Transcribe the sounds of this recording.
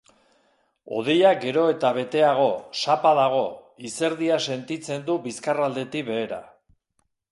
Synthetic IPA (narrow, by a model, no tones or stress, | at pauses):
o̞̰ð̞e̞jaɡe̞ɾo̞e̞t̪aβ̞e̞t̪e̞aɣ̞o̞sapaðaɣ̞o̞ | ise̞ɾðiase̞nt̪it͡se̞nd̪ubiskarald̪e̞t̪ikβe̞ːɾa̰